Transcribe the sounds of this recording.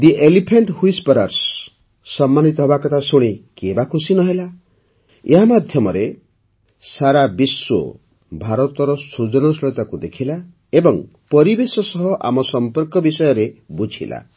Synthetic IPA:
d̪iʔelipʰeɳʈhuispɔɾaɾsː | ɔmːanit̪ɔɦbakɔt̪ʰasuɽ̃ikebakʰusinɔɦela | eɦamad̪ʱjɔmɔɾe | saɾabiswo̰ | bʱaɾɔt̪ɔɾɔsud͡ʒɔnɔsɾɔjt̪akud̪ekʰila | ebɔŋ | pɔɾibesɔsɔɦɔʔa̰mɔsɔmpɔɾkɔbisɔjɔɾebud͡ʒʱḭla̰

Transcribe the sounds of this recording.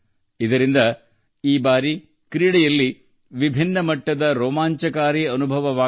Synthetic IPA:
id̪ɐɾind̪ɐ | iːbaːɾi | kɾiːɽɛjɐlːi | ʋibʱinːɐmɐʈːɐd̪ɐɾɔːmaːɲt͡ʃɐkaːɾiɐnubʱɐʋɐʋaː

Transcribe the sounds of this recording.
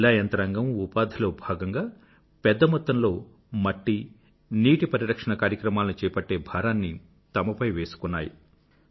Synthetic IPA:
laːjɐnt̪ɐɾɐŋɡɐmupaːd̪ʱilo̞ːbʱaːɡɐŋɡaː | pɛd̪ːɐmɔt̪ːɐmlo̞ː | mɐʈːi | niːʈipɐɾiɾɐkʂɐɳɐkaːɾjɐkɾɐmaːlɐnit͡ʃɛːɐpɐʈːe̞ːbʱaːɾaːnːi | t̪ɐmɐpɐjʋeːsu̥kunːa̰ːji

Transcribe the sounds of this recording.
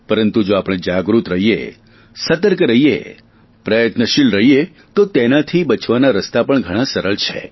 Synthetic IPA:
pəɾənt̪ud͡ʒoapəɽ̃ed͡ʒaɡɾut̪ɾəɦiḛ | sət̪əɾkɾəɦijḛ | pɾəjət̪nəʃilɾəɦije | t̪ot̪enat̪ʰibət͡ʃʰʋanaɾəst̪apəɳɡʱəɽ̃ãsəɾəɭt͡ʃʰḛ

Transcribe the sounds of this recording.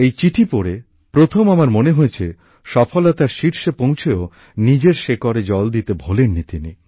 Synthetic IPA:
ejt͡ɕiʈʰipoɾe | pɾot̪ʰomamaɾmoneɦojet͡ɕʰe | ʃɔfʰolat̪aɾʃiɾʃepow̃t͡ɕʰeo | nid͡ʑeɾʃekɔɾed͡ʑɔld̪it̪ebʱolenːit̪ini

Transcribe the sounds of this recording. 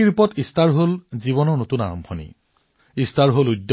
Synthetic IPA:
iɹpɔtistaɹɦolziβɔnɔɹnotuna̰ɹɔ̰mbʱʰɔnḭ | istʰaɹɦoludː

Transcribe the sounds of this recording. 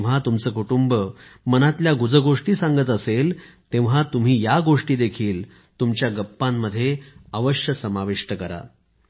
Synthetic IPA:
at̪umt͡səːkuʈumbəmənat̪ljaɡud͡zəɡoʂʈiːsaŋɡət̪əsel | t̪ẽʋ̤at̪um̤iːjaɡoʂʈiːd̪ekʰiːl | t̪umt͡ɕjaɡəpːamːəd̪ʱːjeəʋəɕjəsəmaʋeʂʈəkəɾa̰

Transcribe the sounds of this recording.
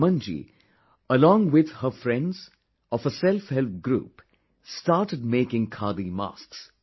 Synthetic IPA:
mʌ̃nd͡ʒḭ | əlɔ̃ːŋwɪd̪həfɾɛ̃nɖz̥ | ɔfəsɛlfhɛlt̪̚ɡɾṵːp | sʈaːɾʈəɖ̚meːkɪ̃ŋkʰaːd̪ima̰ːsks

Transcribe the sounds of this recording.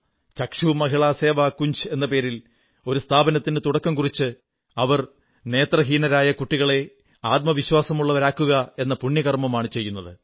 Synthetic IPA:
t͡ɕɐkʂumɐɦiɭaːse̞ːʋaːkːuɲɕe̞nːɐpe̞ːɾil | o̞ɾust̪ʰaːbɐnɐt̪ːinɨt̪uɽɐkːɐmkurit͡ɕːɨ | ɐʋɐr | ne̞ːt̪rɐɦiːnɐɾaːjɐkuʈːiɣɐɭe̞ | aːt̪̚mɐʋiɕwaːsɐmuɭːɐʋɐɾaːkːuɣɐe̞nːɐpuɳːjɐɣɐrmɐmaːɳɨt͡ɕe̞jːunːɐðɨ

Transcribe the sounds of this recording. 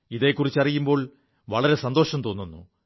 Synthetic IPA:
iðe̞ːkːurit͡ɕːɐrijumbo̞ːɭ | ʋɐɭɐɾe̞sɐnd̪o̞ːʂɐmt̪o̞ːnːunːṵ

